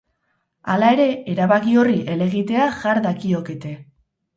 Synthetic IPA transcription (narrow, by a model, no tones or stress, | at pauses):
alae̞ɾe̞eɾaβakio̞riʔe̞le̞ɣit̪e̞aʝaɾðakio̞ke̞t̪e̞